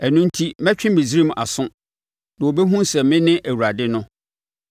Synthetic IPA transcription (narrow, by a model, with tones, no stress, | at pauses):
ɛ˨nʊ̃˦n̩˦tʰi˦mɛ̃˦t͡ɕᶣɪ̃˦m˦be˨sɾi˦m˨ʔa̰˨sʊ̃˦ | nã˨wo˨be˦ɦũ˦sɛ˨mɪ̃˦nɪ̃˦ʔæ˨wu˨a˨dɪ˦nʊ̃˦